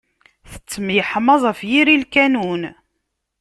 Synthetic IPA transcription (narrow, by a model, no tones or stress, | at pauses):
θə̥t͡sːəmijəħəmɑzˤəfjiɾilkænun